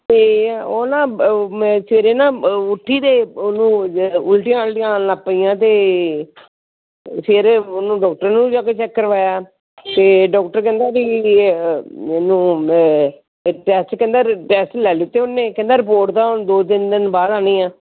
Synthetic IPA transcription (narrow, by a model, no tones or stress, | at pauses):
t̪eːoːnãː | seːɾeːnãːʊʈʰːiːd̪eːonũːʊlʈiaːlʈɪjãːlapːijãːt̪eː | seːɾonũːɖɔːk̚ʈəɾnũːd͡ʒaːkeːt͡ʃɛːkːəɾʋaːjaː | t̪eːɖɔːkʈəɾkɛ̃nd̪aːbiː | nũː | ʈɛːsʈkɛ̃nd̪aːʈɛːsʈlɛːlɪt̪ːeːʊnːẽːkɛ̃nd̪aːɾɪp̬oːɾʈt̪aːond̪oːd̪ɪnd̪ɪnbaːɾaːniːãː